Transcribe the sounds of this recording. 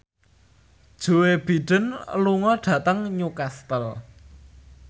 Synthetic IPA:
d̥ʒ̥o̤web̥i̤ɖ̥ə̤nluŋɔɖ̥ä̤t̪əŋɲukast̪əl

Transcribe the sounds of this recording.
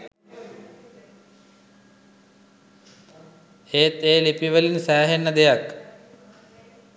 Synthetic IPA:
heːt̪eːlipiʋɐlinsaːɦenːɐd̪ejak

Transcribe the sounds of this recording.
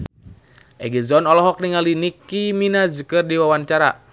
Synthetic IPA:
ʔɛ̰ɡizɔnɔlɔɦɔk̚niŋalinikːiminazukərdiwawaɲt͡ʃaɾa̰

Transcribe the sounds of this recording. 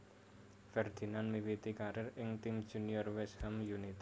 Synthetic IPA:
fɛrd̪̥i̤nanmiwit̪ikaɾɪrɪŋt̪imd̥ʒ̥ṳniɔrwɛshɛmjunit̪

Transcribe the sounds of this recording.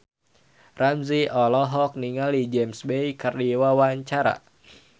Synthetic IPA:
ramziɔlɔɦɔk̚niŋalid͡ʒɛmsbejkardiwawaɲt͡ʃaɾa̰

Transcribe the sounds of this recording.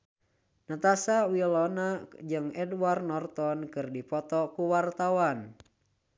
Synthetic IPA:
nat̪asawilɔnad͡ʒɨŋɛdwarnɔrt̪ɔnkɨrdipɔt̪ɔkuwart̪awan

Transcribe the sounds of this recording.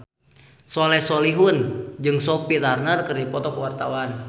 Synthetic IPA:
sɔlɛhsɔliɦund͡ʒɨŋsɔpitarnərkɨrdipɔt̪ɔkuwart̪awan

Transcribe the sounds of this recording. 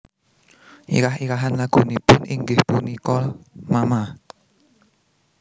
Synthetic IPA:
ʔḭɾaɦiɾaɦanlaɡ̥onipʊniŋɡɪhpunikɔlmama

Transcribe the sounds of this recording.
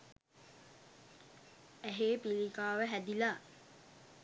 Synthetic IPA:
æɦeːpilikaːʋəɦæd̪ila

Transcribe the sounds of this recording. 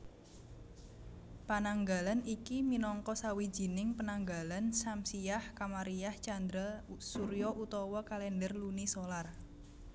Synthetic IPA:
panaŋɡalanikiminɔŋkɔsawi̥d͡ʒ̥i̤nɪŋpənaŋɡalansamsijahkamaɾiaht͡ʃand̪ɾalsuɾjɔʔut̪ɔwɔkalɛndərlunisolar

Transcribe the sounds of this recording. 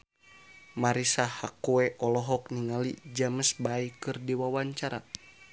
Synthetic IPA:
maɾisahakuɛʔɔlɔɦɔk̚niŋalḭd͡ʒaməsbaikɨrdiwawaɲt͡ʃaɾa

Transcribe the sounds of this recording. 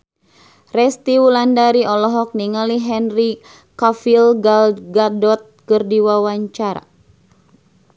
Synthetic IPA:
rɛst̪iwulandaɾiɔlɔɦɔk̚niŋaliɦɛnri | kafilɡalɡadɔt̪̚kɨrdiwawaɲt͡ʃaɾa̰

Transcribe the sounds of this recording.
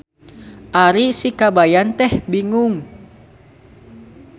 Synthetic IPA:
ʔaɾisikabajant̪ɛhbiŋuŋ

